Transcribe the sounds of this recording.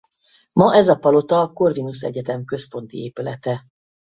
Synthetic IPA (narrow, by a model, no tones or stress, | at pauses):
mɒʔɛzɒpɒlo̞t̪ɒːko̞rvinusɛ̰ɟɛt̪ɛmkø̞spo̞nt̪ḭeːpylɛt̪ɛ